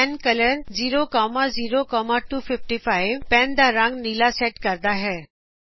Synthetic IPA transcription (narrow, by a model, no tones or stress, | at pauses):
ɛ̃nkɐləɾziːɾokɔːmaziːɾokɔːmaʈuːfɪfʈifaːɪʋpɛ̃nd̪aɾə̃ŋɡniːlasɛːʈkɐɾd̪aɦɛː